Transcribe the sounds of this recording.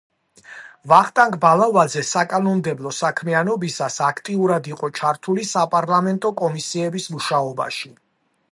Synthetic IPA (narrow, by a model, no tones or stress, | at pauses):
vaχt̪ʼaŋkʰʼbalˠavad̪zɛsakʼanɔmd̪ɛblˠɔsakʰmianɔbisasakʰt̪ʼiuɾad̪iqʼɔt͡ʃʰaɾt̪ʰulisapʼaɾlˠamɛnt̪ʼɔkʼɔmisiɛbismuʃaɔba̰ʃi